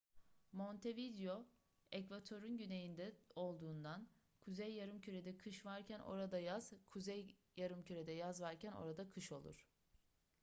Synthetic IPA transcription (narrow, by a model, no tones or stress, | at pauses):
mo̞nt̪ʰe̞vid̪jo̞ | ɛcvat̪ʰo̞ɾynɟynejind̪ɛo̞lˠd̪uːnd̪an | kʰuzejːaɾɯmcʰyɾed̪ɛkʰɯʃvaɾcʰænʔo̞̰ɾad̪ajaz̥kʰuzɛjjaɾɯmcʰyɾed̪ɛjazvaɾcʰæno̰ɾad̪akʰɯʃo̞lˠṵɾ̝̥